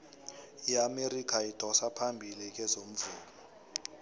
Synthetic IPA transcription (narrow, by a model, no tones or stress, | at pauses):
iameɾikʰaid̥ʱɔsapʰambʱilik̬ʼɛzom̩vuːlɔ